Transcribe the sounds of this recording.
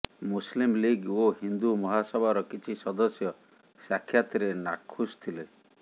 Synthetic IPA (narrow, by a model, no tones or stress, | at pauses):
muslimliɡoɦind̪umɔɦasɔbʱaɾɔkit͡ʃʰisɔd̪ɔsjɔ | sakʰjat̪ɾena̰kʰːust̪ʰile